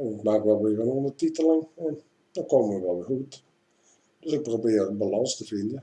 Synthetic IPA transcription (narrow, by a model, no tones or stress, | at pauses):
ɪkmaːkʋɛlˠʋɪəvənondətitələnɛn | dɔkoːməəʋɛlˠʋɪhut | d̥øsɪk̚probɪərbəlɑnstəfɪndə